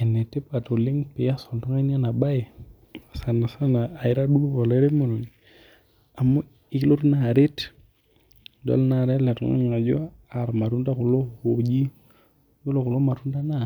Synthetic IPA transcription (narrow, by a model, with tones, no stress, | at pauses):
ɛ˨nːɛ˨tːɛ˦pa˨to˨lɪ˦ŋpɪ˨ja˦sɔ˨ntɔ˦ŋa˦n˦a˦na˨ba˦i˨ | sa˨na˨sa˦naː˨ɪ˦ɾa˦ɗu˦kɔ˨lɛ˦ɾɛ˦mo˨nu˨n | a˨mɔ˦ | ɪ˦klo˦ɾna˨ɾɪ˦t | dɔ̰˨˦lna˨ɾa˦lɛ˨tɔ̰˨ŋa̰˦ɲŋa˨d͡ʒɔ̰˦ | a˨ɾma˨tu˦nda˦kʊ˨lo˦ho˨d͡ʒi˦ | ɡo˦lo˨kʊ˨lo˦ma˨tu˦nda˦na˦